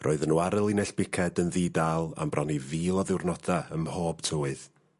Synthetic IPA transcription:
rʔoːɨðənwaɾəlˠɪnɛɬb̥ɪkʰɛdənðidalˠa̰mbrʔɔniviːlˠɔðɪwrnɔdaəmhoːb̥tʰoːɨð

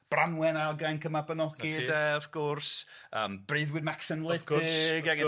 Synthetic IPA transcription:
b̥ranwɛnajlˠɡajnkʰəmabənɔɡ̥idɛɔv̥kʰɔrsə̰ːmbrɨːðwɪdmaksənlˠɪɛ

